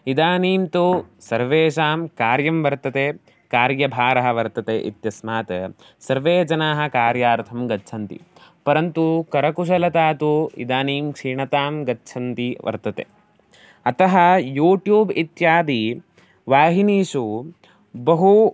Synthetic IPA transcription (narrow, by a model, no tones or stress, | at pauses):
id̪aːniːmt̪usɐɾʋeːʃaːmkaːɾjɐmʋɐɾt̪ɐt̪eː | kaːɾjɐbʱaːɾɐɦɐ̆ʋɐɾt̪ɐt̪ḛːʔḭt̪jɐsmaːt̪ɐ | sɐɾʋeːd͡ʒɐnaːɦɐ̆kaːɾjaːɾt̪ʰɐmɡɐtːt͡ʃʰɐnt̪ḭpɐɾɐnt̪ukɐɾɐkuʃ̬ɐlɐt̪aːt̪uḭd̪aːniːmkʂiːɳɐt̪aːmɡɐtːt͡ʃʰɐnt̪iʋɐ̰ɾt̪ɐt̪ḛː | ɐt̪ɐɦɐ̆juːʈjuːbit̪jaːd̪i | ʋaːɦiniːʂu | bɐɦu